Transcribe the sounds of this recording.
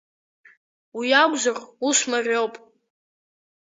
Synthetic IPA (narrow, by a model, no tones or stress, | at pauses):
wijaɡʷzarusmarʲowpʼ